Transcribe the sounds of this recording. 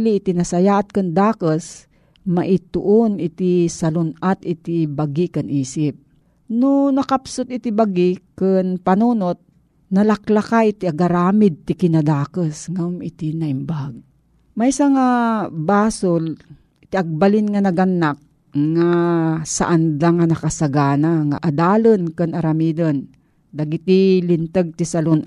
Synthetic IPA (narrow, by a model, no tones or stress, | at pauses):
liːt̪inɐsajaːʔat̪̚kɨnd̪aːkəs | ma̰ʔɪt̪ʊʔonɪt̪isalʊnat̪ɪt̪ibaɡikɨnʔiːsɪp̚ | nʊnɐkapsʊt̪ɪt̪ibaɡɪkɨnpanuːnot̪̚ | nɐlaklakait̪ɪaɡaɾaːmɪd̪̚t̪ɪkɪnad̪aːkəsŋamɪt̪inɐimbaɡ̚ | majsɐŋabaːsol | t̪iʔaɡ̚balɪnŋanɐɡanːak̚ | ŋasa̰ʔand̪aŋanɐkasaɡaːnaŋa̰ʔad̪aːlənkɨnɐɾamid̪ən | d̪ɐɡit̪ilɪnt̪əɡ̚t̪isalon